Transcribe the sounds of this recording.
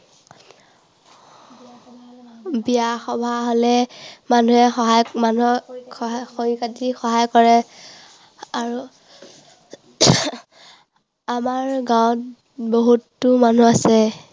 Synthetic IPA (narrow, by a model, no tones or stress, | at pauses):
bijaxɔbʱaɦɔlɛmanuɛxɔɦajmanuɛ | xokatixɔɦajkɔɹɛ | aɹu | amaɹɡawt | boɦutːuman̤uasɛ